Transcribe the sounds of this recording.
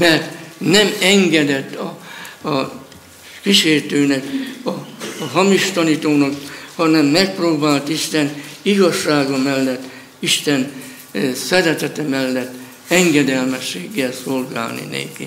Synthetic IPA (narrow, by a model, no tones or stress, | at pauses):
mɛrt̪nɛmɛŋɡɛd̪ɛt̪ːɒ | kiʃeːrt̪øːnɛkɒɦɒmiʃt̪ɒnit̪oːnɒkhɒnɛmːɛk̚proːbaːlt̪iʃt̪ɛniɡɒʃːaːɡɒmɛlːɛt̪ː | iʃt̪ɛn | sɛɾɛt̪ɛt̪ɛmɛlːɛt̪ː | ɛŋɡɛd̪ɛlmɛʃːeːɡːɛlsolɡa̰ːlnḭnḛːki